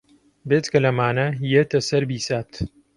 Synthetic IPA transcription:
beːt̪kɐlɐmaːnɐjet̪ɐsɐɾbiːsaːt̪

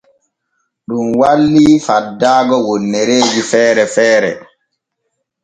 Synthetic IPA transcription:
ɗumwalːifadːaːɡɔwonːɛɾeːd͡ʒifɛːɾɛfɛːɾɛ̰

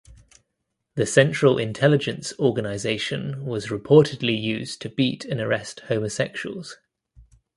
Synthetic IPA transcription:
ðəsɛ̃nt͡ʃɹ̥əlʔɪ̰̃ntʰɛlɪd͡ʒə̃nsɔːɡənaɪzeɪʃə̃nwɒzɹɪpʰɔˑtʰɪdˡlijʉːz̥tʰəb̥iˑtʰə̃nəɹɛsthəʊməsɛkʃuwə̰lˠz̥

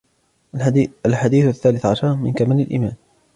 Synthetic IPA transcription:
alħad̪iːθaθːaːlɪθʕaʃɑɾˤmɪnkamaːlalʔḭmaːn

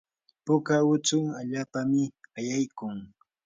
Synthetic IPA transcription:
pʊkawʊt͡sʊŋaʎaːpamɪajajkʊŋ

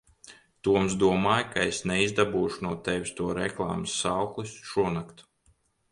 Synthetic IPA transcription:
t̪uɔmzd̪uɔmaːjkaesnɛizd̪abuːʃunuɔt̪ɛʋʲst̪uɔɾɛklˠa̰ːmɨsːawklˠisʃuɔnakt̪u̥

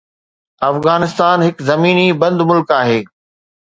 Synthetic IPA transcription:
ɐfɣaːnɪst̪aːnɦɪkzɐmiːnibɐ̃nd̪mʊlkaːɦeː

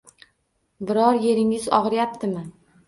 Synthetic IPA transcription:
bɪɾɒɾje̞ɾɪŋɪzɒ̰ʁɾjap̚t̪ʰɪmɪ

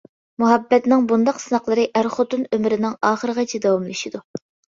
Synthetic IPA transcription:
muɦɛbːɛt̪nɪŋbund̪ɑqsɨnɑqlˠɨɾɨʔæɾχot̪unømɪɾɪnɪŋɑːχəɾəʁɑt͡ʃʰid̪ɛwɑmlˠɨʃid̪u

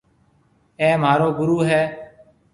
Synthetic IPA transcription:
ɛːmaːɾoːɡʊɾuːɦɛː

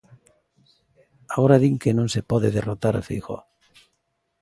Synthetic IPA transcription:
aɣoɾaðiŋkenõŋsepɔðeðerot̪aɾafḭjxɔ̰

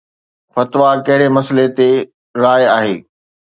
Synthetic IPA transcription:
fɐt̪ʋakɐɦɪɽemɐslet̪e | ɾaːjaːɦḛː

